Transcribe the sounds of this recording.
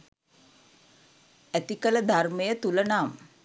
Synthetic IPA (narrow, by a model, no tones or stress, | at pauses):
æt̪ikələd̪ʱarməjət̪ulənam